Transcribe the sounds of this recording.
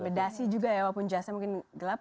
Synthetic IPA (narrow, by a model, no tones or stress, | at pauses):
medasid͡ʒuɡajawapʊnd͡ʒasamuŋkɪnɡəlap̚